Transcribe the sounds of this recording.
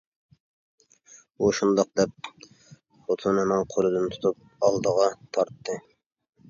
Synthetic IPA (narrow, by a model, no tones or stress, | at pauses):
uʃund̪ɑq̚d̪ɛp̚ | χot̪ʰunɨmɑŋqʰolˠɨd̪ɨnt̪ʰu̥t̪ʰup̚ɑlˠd̪əʁɑt̪ʰɑɾt̪ːɨ